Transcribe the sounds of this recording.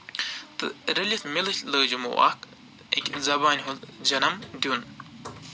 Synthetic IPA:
t̪ɨ̰ɾɐlʲit̪milɨɬʲləːd͡ʒumo̰a̰k | ḛkʲzɐbaːnʲɦuld͡ʒɐnɐmd̪ʲun

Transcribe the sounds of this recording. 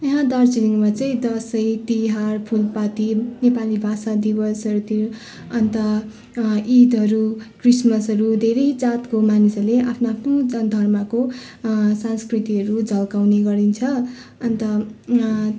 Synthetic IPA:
jʌɦãd̪art͡siniŋmat͡sʌĩd̪ʌsʌjt̪iɦarpʰulpat̪inepalibʱasad̪ibʌsʌɾut̪i | ʌnt̪ʌ | id̪ʌɾukrismʌsɦʌɾud̪ʱeɾʌjd͡zat̪komanisʌrleʔapʰnaapʰnod̪ʱʌrmʌko | sãnskrit̪iʌɾud͡zʱʌlkawneɡʌɾint͡sʰʌ | ʌnt̪ʌ

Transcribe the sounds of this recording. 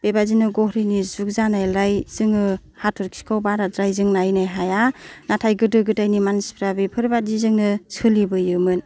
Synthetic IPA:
b̥ebazinɯɡɔhɾinizuk̚zanajlajz̥ɯŋɯ | hatʰɯɾkʰi̥kʰawbaɾadɾajzɯŋnajnajɦajanatʰajɡɯdɯɡɯtajnimansi̥pʰɾabipʰɯɾbadizɯŋnɯsʰɯlibɯjɯmɯn

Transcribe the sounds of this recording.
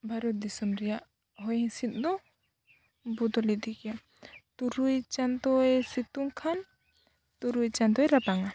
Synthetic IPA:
bʱaɾɔt̪̚d̪isumɾɛjaʔ | ɦɔjhɛ̃sit̪̚ˀd̪ɔ | bud̪ɔlid̪ikɛja | t̪uɾujt͡ʃant̪ɔɛsit̪uŋkʰan | t̪uɾujt͡ʃant̪ɔɛɾapaŋa

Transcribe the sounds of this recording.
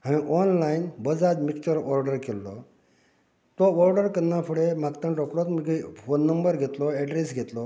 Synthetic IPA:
ɦãñĩʔɔnlainbəd͡zad̪mikt͡ɕəɾɔɾɖəɾkelːɔ | t̪ɔɔɾɖəɾkənːafuɽem̤akt̪ə̃ɳʈɔkɽɔt̪məɡifonːəmbəɾɡʱet̪lɔɛɖɾesɡʱet̪lɔ

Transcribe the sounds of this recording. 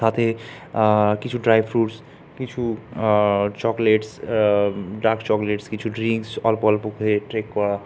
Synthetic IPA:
saːt̪ʰe | kɪt͡ʃʰuɖɾaːjbʰɾuːʈs | kit͡ʃʰu | t͡ʃɔːkleʈs | ɖaːɾkt͡ʃɔːkleːʈskit͡ʃʰuɖɾĩŋksɔlpɔlpukʰeʈɾeːkːɔɽa

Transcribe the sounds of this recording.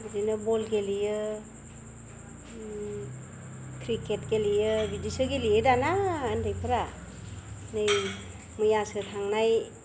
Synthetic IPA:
bzinɯbɔlɡelijɯ | kʰɾiket̚ɡelijɯbidisɯɡeliɯdanaːndɯjpʰɯɾa | nɯj | mɯjasɯtʰaŋnaj

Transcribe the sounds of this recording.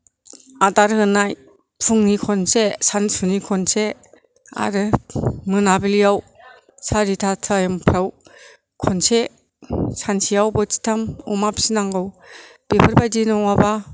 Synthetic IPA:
ataɾhɯnaj | pʰuŋnikʰɔnsesansunikʰɔnse | a̰ɾɯmɯnabilijaw | saɾitʰatʰɯajɯmpʰɾaw | kʰɔnse | sansijawbɯti̥tʰamɔ̰mapsinaŋɡɯwb̥ipʰɯɾbajdinɔŋwaba

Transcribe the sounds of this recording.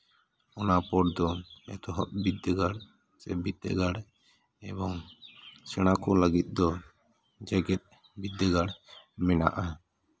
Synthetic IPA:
ɔnapɔɽd̪ɔɛt̪ɔɦɔ̰ʔ̚bid̪ːəɡaɽ | t͡ʃɛ̰bit̪ːɛ̰ɡaɽ | ɛbɔŋsɛɽ̃akɔləɡit̪̚ˀd̪ɔ | d͡ʒɛɡɛt̪̚ | bid̪ːəɡaɽmɛna̰ʔa

